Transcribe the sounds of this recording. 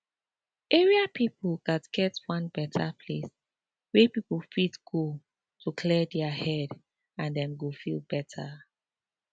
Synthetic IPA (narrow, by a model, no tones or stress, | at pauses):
ɛɹiapipldatɡ̥ɛtwʌ̃nbɛtʰapʰles | wɛpipl̩fitɡ̥o | tʰukʰlɛdɛahɛd | ãndɛ̃mɡofilˠbɛtʰə